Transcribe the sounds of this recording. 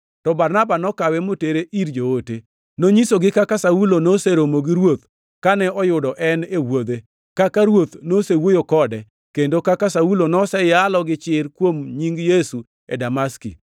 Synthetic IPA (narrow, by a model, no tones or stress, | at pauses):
tɔbarnabanɔkawɛmoteɾeʔiɾd͡ʒoote | noɲisoɡɪkakasaulonoseɾomoɡiɾwot̪̚ | kanɛʔɔjʊdɔʔɛnewod̪e | kakaɾwot̪nosewojokɔdɛ | kendokakasaulonɔsɛjalɔɡɪt͡ʃɪrkwomɲiŋɡjesu | ḛdamaskḭ